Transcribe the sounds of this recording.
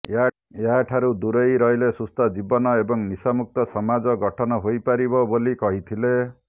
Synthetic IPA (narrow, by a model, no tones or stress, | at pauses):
a | eɦaʈʰaɾud̪uɾejɾɔjlesust̪ad͡ʒibɔnɔebɔŋnisamuk̚t̪ɔsɔmad͡ʒɔɡɔʈʰɔnɔɦojpaɾibɔbolikɔɦit̪ʰile